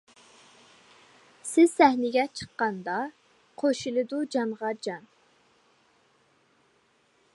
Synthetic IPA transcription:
sɪz̥sɛhnɪɡʲɛt͡ʃʰə̥qːɑnd̪ɑ | qʰoʃilˠɨd̪ud͡ʒɑnʁɑd͡ʒɑn

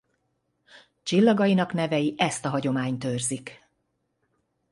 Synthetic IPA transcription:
t͡ʃilːɒɡɒjinɒkn̪ɛvɛjiʔɛst̪ɒɦɒɟo̞maːɲt̪ørzik

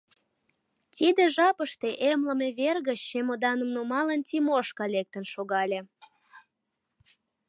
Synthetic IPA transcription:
t̪ʲid̪ĕʒɑpəʃt̪eʔemləmeβerɣəɕːemod̪ɑnəmnumɑlənt̪ʲimoʃkɑlek̚t̪ənʃoɣɑlʲe

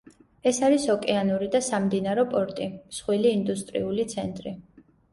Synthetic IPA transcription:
ɛsaɾisɔkʼɛanuɾid̪asamd̪inaɾɔpʼɔɾt̪ʼimsχwiliːnd̪ust̪ʼɾḭulit̪sʰɛnt̪ʼɾi

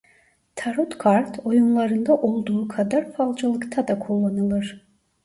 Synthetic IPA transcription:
t̪ʰaɾut̪kʰaɾt̪ʰo̞junlˠɑɾɯnd̪aʔo̞lˠd̪uːkʰad̪aɾfalˠd͡ʒalˠɯkt̪ʰad̪akʰolˠːanɯlˠɯɾ̥

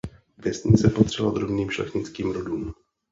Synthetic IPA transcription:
vjɛsɲɪt͡sɛpot̪r̝̥ɛlad̪ɾobniːmʃlɛ̰xɲɪt͡skiːmɾoduːm

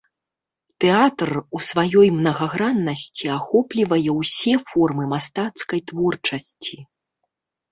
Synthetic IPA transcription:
t̪ɛat̪rusvajɔjmnɐɣaɣɾanːɐsʲt͡sʲiaxɔplʲivɐjɛwsʲɛfɔrmɨmast̪at̪skɐjt̪vɔrt͡ʂɐsʲt͡sʲi

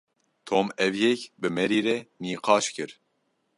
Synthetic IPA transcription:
t̪ʰoːmɛvjɛkbɨmɛɾiːɾɛniːqʰɑːʃkɨɾ

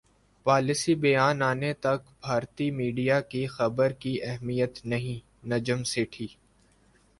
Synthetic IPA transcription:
paːlɪsibɐjaːnaːnet̪ɐkbʱaːɾt̪imiːɖijakixɐbəɾkiʔɛɦmijət̪nɐɦĩ | nɐd͡ʒəmsɪʈʰiː

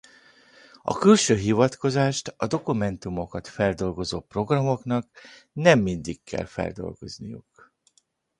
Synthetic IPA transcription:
ɒ̰kylʃøːɦivɒt̪ko̞zaːʃt̪ɒd̪o̞kumɛnt̪umo̞kɒt̪fɛld̪o̞lɡo̞zoːpro̞ɡrɒmo̞knɒknɛmːind̪ikːɛ̰lfɛ̰ld̪o̞̰lɡo̞znijṵk

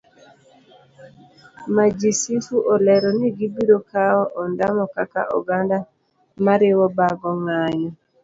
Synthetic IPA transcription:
mad͡ʒisifuʔɔlɛɾɔniɡibiɾɔkaɔʔɔndamɔkaka̰ʔɔ̰ɡanda | maɾɪwɔbaɡɔŋaɲɔ

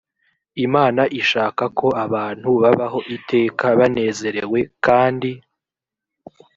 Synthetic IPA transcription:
imaːnaʔiʃaːkakʰo̞aβaːn̥huβaβaɦo̞ʔitʰe̞ːkaβane̞ːze̞ɾewe̞kaːndi

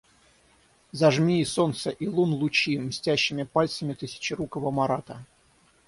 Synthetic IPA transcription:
zɐʐmʲiːsont̪səʔilˠunlˠʊt͡ɕimsʲtʲæɕːɪmʲɪpalʲt̪səmʲɪt̪ɨsʲɪ̥t͡ɕɪɾukəvəmɐɾat̪ə

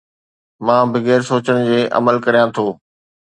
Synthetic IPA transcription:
mãːbɪɡeːɾsoːt͡ɕəɽ̃d͡ʑeːʔɐ̰məlkɐɾijãt̪ʰoː

